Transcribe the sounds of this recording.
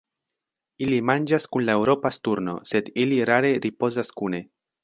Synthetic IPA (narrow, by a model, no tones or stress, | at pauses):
ilimand͡ʒaskunlae̞wɾo̞pastuɾno̞̰se̞diliɾaɾe̞ɾʔipo̞zaskune̞